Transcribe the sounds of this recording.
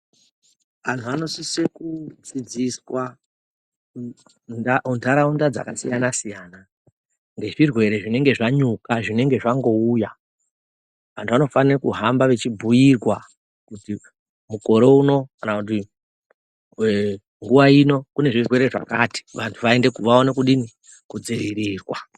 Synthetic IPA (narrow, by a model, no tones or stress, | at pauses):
ʋantʰuano̞sisekud͡zid͡ziswa | naundʱaɾaundad͡za̰kasijanasijaːna | ŋɡe̞ʐirwe̞ɾe̞ʐine̞ŋɡe̞ʐaɲukaʐine̞ŋɡe̞ʐaŋɡo̞uja | ʋa̰ntʰuʋano̞fanirakuɦambaʋe̞t͡ʃibʱujirwa | kuti | muko̞ɾe̞uno̞kanakut̬i | ŋɡuʋaino̞kune̞ʐirwe̞ɾe̞ʐa̰ka̰ti̥ʋantʰuʋaendekuʋao̞ne̞kuɗini | kud͡ziriɾiːrwa̰